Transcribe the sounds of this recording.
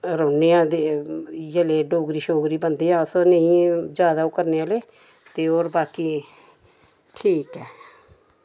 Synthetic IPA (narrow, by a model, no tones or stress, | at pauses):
ɾəːneːãːd̪eːjəleːɖoːɡɾiːʃoːɡɾiːbənd̪eːãːsnẽĩːd͡ʒaːd̪aːoːkəɾneːaːleː | t̪eːoːɾbaːkiː | ʈʰiːkɛː